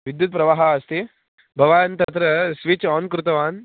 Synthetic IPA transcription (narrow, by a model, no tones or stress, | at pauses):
ʋid̪jut̪̚pɾɐʋaːɦɐɐst̪i | bʱɐʋaːnt̪ɐt̪ɾɐsʋit͡ʃɔːnkɾut̪ɐʋaːn